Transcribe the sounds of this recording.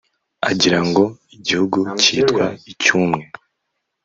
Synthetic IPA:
a̰ɟiɾaŋɡo̞ | iɟihuɡuciːtkwaicumŋe̞

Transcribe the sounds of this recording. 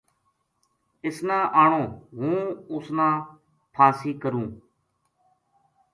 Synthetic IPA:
ɪsnãːʔaːɳõːɦũːʊsnãː | pʰaːsiːkəɾũː

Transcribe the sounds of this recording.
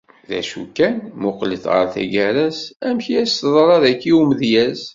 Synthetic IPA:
ðæ̰ʃṵkːænmʊqləθʁə̰ɾθæ̰ɡæɾæsæmçiæst̪ðˤɾˤɑðækːiumðjæz

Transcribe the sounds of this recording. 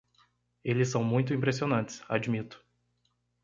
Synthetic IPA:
elɪsːɐ̃w̃mũj̃t̪̬ʊĩpɾesionɐ̃nt̪ɪ̥sa̰d͡ʒmit̪ʊ̥

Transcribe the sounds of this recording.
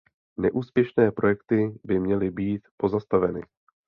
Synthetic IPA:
nɛʔuːspjɛʃnɛːpɾo̞jɛkt̪ɪbɪmɲɛlɪbiːt̪po̞zast̪avɛnɪ̰

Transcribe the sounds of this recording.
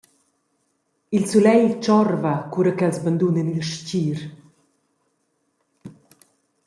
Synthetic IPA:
ilsulɛjt͡ʃɔɾvakuɾakɛlsband̪unɛnilʃciːɾ

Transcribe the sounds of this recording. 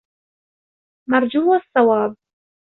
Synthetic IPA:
mard͡ʒuwasːɑwaːb̚

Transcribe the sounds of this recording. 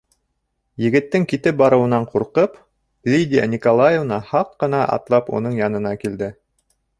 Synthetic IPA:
jɘ̆ɡɘ̆t̪ːɘŋkit̪ɘp̚bɑɾɤ̆wɤ̆nɑɴquɾqɤp | lʲid̪ʲija̰nʲikolˠajevnɑhɑqːɤ̆nɑʔɑ̰t̪lˠɑpṵnɤɴjɑnɤ̆nɑkild̪ɘ

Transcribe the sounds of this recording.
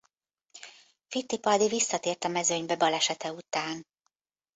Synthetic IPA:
fit̪ːipɒd̪ivisːɒt̪eːrt̪ɒmɛzø̞ɲbɛbɒlɛʃɛt̪ɛut̪aːn

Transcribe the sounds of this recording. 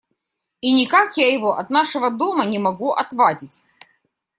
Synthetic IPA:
inʲɪkakjajɪvoʔɐt̪naʂɨvəd̪o̞mənʲɪmɐɡuʔɐt̪vadʲɪtʲ

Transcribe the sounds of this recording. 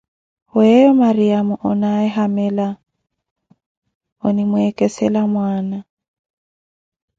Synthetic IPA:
hʊɛɔmariamʊʔɔnaɛɦamɛla | ɔnimʊɛkʼɛsɛlamwaːna

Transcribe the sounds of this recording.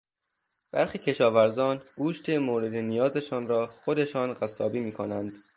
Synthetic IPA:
b̥æ̰ɾxiːcʰe̞ʃɒːvæɾzɒːnɡuːʃt̪ʰemoːɾe̞d̪enijɒːze̞ʃɒːnɾɒːxod̪e̞ʃɒːnɢæsɒːbiːmiːkʰonænd̪̥

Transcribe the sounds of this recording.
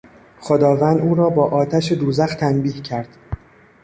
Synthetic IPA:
xod̪ɒːvænd̪uːɾɒːbɒːʔɒːt̪ʰæʃed̪uːzæxt̪ʰænbiːhcʰæɾd̪̥

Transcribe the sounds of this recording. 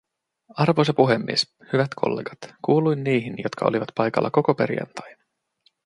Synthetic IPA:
ɑrʋos̬ɑpuɦemːḭes | hyʋæt̪kʰo̞̰lːeːɡ̥ɑt̪kuːlujnːiːɦinjot̪kʰɑoliʋɑt̪pɑjkɑ̰lːɑko̞ko̞pe̞ɾjɑ̰nt̪ɑjnɑ

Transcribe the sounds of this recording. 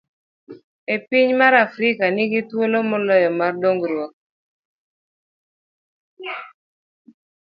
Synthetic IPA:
epɪɲmaɾafɾɪkanɪɡɪtwolomɔlɔjɔmardoŋɡɾwɔk̚

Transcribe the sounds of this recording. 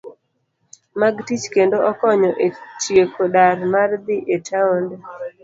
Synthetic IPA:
maɡtit͡ʃkendoʔɔkɔɲɔʔetjekʰoɗaɾmard̪ɪʔetʰaond

